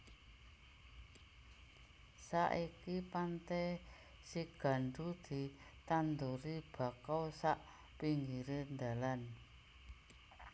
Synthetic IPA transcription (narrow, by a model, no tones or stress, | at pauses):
saʔikipant̪ɛ | siɡ̥a̤ɳɖud̪̥i̤t̪and̪uɾib̥a̤kawsaʔ | piŋɡiɾend̪a̤lan